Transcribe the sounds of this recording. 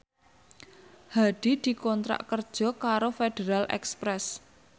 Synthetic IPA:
haɖ̥i̤d̪̥i̤kɔnt̪ɾa̰ʔkərd̥ʒ̥ɔ̤kaɾofeɖ̥eɾalʔɛ̰kspɾɛs

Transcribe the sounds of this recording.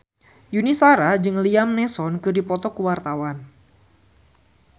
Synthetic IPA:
junisaɾad͡ʒɨŋliamnɛsɔnkɨrdipɔt̪ɔkuwart̪awan

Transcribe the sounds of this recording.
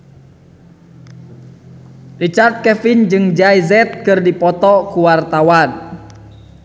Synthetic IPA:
rit͡ʃart̪̚kɛfind͡ʒɨŋd͡ʒaizɛt̪̚kɨrdipɔt̪ɔkuwart̪awan

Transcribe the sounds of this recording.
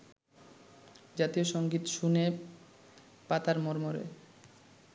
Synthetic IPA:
d͡ʑat̪ioʃoŋɡit̪ʃune | pat̪aɾmoɾmoɾḛ

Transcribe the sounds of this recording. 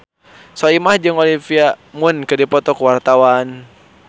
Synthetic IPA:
sɔimahd͡ʒɨŋɔlifiamunkədipɔt̪ɔkuwart̪awan

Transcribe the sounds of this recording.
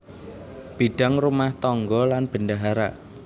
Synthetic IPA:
b̥iɖ̥a̤ŋrumaht̪ɔŋɡɔlanb̥ənɖaɦaɾa̰

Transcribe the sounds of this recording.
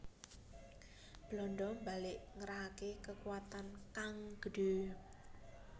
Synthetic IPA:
b̥lɔɳɖɔmbalɪʔŋəɾaɦakekəkuwat̪ankaŋɡ̥əɖ̥u

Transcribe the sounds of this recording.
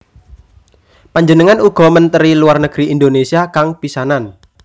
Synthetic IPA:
paɲd͡ʒənəŋanuɡ̥ɔ̤mənt̪əɾiluarnəɡ̥ɾiind̪onesiakaŋpisanan

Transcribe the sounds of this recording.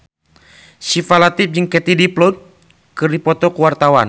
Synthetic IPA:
sifalat̪ip̚d͡ʒɨŋkɛt̪idiplɔt̪̚ | kɨrdipɔt̪ɔkuwart̪awan

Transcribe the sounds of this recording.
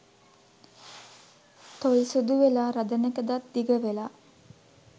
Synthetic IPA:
t̪olsud̪uʋelaːɾad̪ənekəd̪at̪̚d̪iɡəʋela

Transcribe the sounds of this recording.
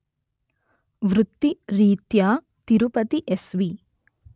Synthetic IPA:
ʋɾut̪ːiɾiːt̪jaː | t̪iɾupɐt̪iʔesʋi

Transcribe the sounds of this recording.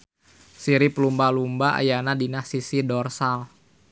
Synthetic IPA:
siɾipəlumbalumbaʔa̰janadinahsisidɔrsal

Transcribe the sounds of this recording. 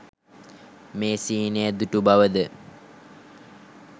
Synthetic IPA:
meːsiːnejəd̪uʈubaʋəd̪ə

